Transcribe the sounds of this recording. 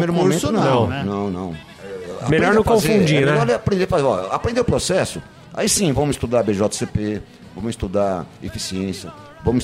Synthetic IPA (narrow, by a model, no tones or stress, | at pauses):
mejɾʊmõmmẽt̪ʊnɐ̃nɐ̃w̃nɐ̃w̃nɐ̰̃w̃ | a̰meʎɔɾnõkaõzefũd͡ʒinɛvaleapɾẽnd̪eɾfazeɔapɾẽnd̪eʊpɾosɛsʊ | a̰isĩvɐ̃mʊɪst̪ud̪aɾbeʒɔt̪ḁsepe | vɐ̃mʊɪst̪ud̪aefisiẽsjɐ | vɐ̃mʊ